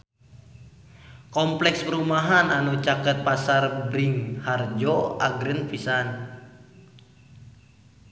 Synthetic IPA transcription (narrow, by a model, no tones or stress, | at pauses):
kɔmplɛkspəɾumaɦananut͡ʃakət̪̚pasarbɾiŋhard͡ʒɔaɡɾənfisan